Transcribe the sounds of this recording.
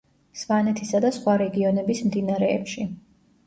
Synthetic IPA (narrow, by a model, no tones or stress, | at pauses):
svanɛt̪ʰisad̪asχwaɾɛɡiɔnɛbismd̪inaɾɛːpʃi